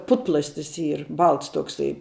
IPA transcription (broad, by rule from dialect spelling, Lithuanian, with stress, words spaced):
ˈpʊtplˠɐsʲtʲɪs ˈiːr ˈbɐlˠts toːkˈsɐɪ